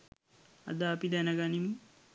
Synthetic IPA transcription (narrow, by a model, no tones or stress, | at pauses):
ɐ̰d̪aːpid̪ænəɡanimə